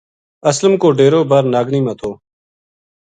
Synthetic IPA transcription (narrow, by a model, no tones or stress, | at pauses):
əsləmkoːɖeːɾoːbəɾnaːɡniːmãːt̪ʰoː